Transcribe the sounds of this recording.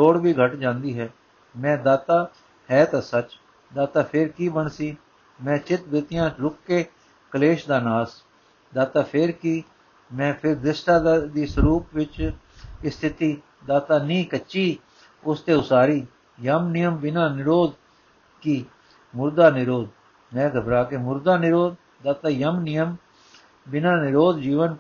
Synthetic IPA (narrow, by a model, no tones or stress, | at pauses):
ɾoːɽbʱiːɡʱəʈd͡ʒãːnd̪iːɦɛː | mɛ̃ːd̪aːt̪aː | hɛːt̪aːsət͡ʃ | d̪aːt̪aːpʰɪɾkiːbəɳsiː | mɛ̃ːt͡ʃɪt̪bɪt̪ɪjãːɾʊkːeː | kəleːʃd̪aːnaːs | d̪aːt̪aːpʰɪɾkiː | mɛ̃ːpʰɪɾd̪ɪsʈaːd̪iːsəɾuːpʋɪt͡ʃ | ɪst̪ʰɪt̪iː | d̪aːt̪aːnĩːkət͡ʃiː | ʊst̪eːʊsaːɾiː | jəmnɪjəmbɪnãːnɪɾoːd̪ | kiː | mʊɾd̪aːnɪɾoːd̪ | mɛ̃ːɡʱəbɾaːkeːmʊɾd̪aːnɪɾoːd̪ | d̪aːt̪aːjəmnɪjəm | bɪnãːnɪɾoːd̪d͡ʒiːʋən